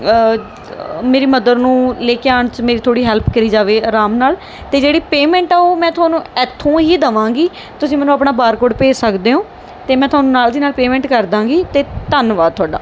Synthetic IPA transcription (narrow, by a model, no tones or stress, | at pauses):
meːɾiːməd̪əɾnũːleːkeaːɳt͡ʃmeːɾiːt̪ʰoːɽiːɦɛːlpʰkəɾiːd͡ʒaːʋeːɾaːmnaːl | t̪eːd͡ʒeːɽiːpeːmɛ̃ːɳʈaoːmɛ̃ːt̪ʰʊaːnũːɛːt̪ʰːõːɦiːd̪əʋãːɡiː | t̪ʊsĩːmɛːnũːapɳaːbaːɾkoːɖpeːsəkd̪eːõː | t̪eːmɛ̃ːt̪ʰʊaːnũːnaːld̪iːnaːlpeːmɛ̃ːɳʈkəɾd̪ãːɡiːt̪eːt̪ənʋaːt̪ʰʊaːɖa̰ː